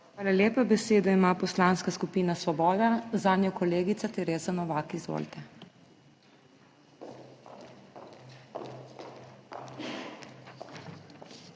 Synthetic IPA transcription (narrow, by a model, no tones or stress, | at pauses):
xʋaːlaljeːpabɛseːd̪ɔimaːpɔslaːnskaskupiːnasʋɔbɔːd̪azaːd̪njɔkɔleːɡit̪sat̪ɛɾeːzanɔʋaːkizʋo̰lt̪ɛ